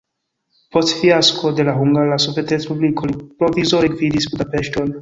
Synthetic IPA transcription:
po̞stfiaskʰo̞d̪e̞laɦuŋɡalasoviet̪et̪spublikʰolipɾovizoɾeɡvid̪isbud̪apeʃton

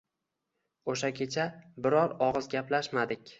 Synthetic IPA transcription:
oʃakʲʰe̞t͡ʃʰabɪɾɒɾɒʁɨzɡʲaplaʃmad̪ɪkʲ

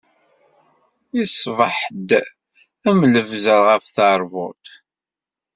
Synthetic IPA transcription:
isˤvəħd̪ | æmləvzəɾʁəfθɑɾˤvʊt̪

